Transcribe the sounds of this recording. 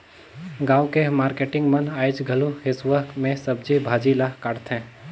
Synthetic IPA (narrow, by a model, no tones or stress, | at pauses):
ɡãːwkemaːɾkeːʈɪ̃ŋɡmɐnaːɪt͡ʃɡʱɐluɦɪsʋəkmẽsɐb̚d͡ʒibʱaːd͡ʒilaɦkaːɽt̪ʰɦɛ̃ː